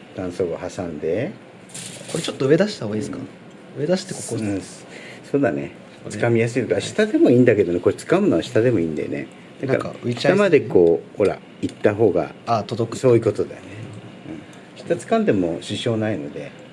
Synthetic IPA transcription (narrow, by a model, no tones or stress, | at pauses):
d̪̥ãɰ̃so̞ːɡahasãnd̪e̞ | koɾet͡ɕot̪ːoɯ̟e̞d̪aɕi̥t̪aoisɨ̥ka̰ | ɯ̟e̞d̪aɕi̥t̪ekokoɯ̃ | so̞ːd̪anḛ | ɨkamʲijas̬ɨit̪okaɕi̥t̪ad̪e̞mo̞ĩːnd̪ake̞d̪o̞ne̞koɾet͡sɨ̥kamɯ̟no̞aɕi̥t̪ad̪e̞mo̞ĩnd̪a̰jo̰nḛ | d̪̥ana̰ʔa̰ɯiamad̪e̞ko̞ːho̞ɾa̰ | it̪ːaɦo̞ːɡa̰at̪od̪okso̞ːjɯ̟ko̞t̪o̞d̪a̰jo̰ne | ɯ̟̃ː | ɕi̥t̪at͡sɨ̥kãnd̪e̞mo̞ɕiɕo̞ːnaino̞̰d̪e̞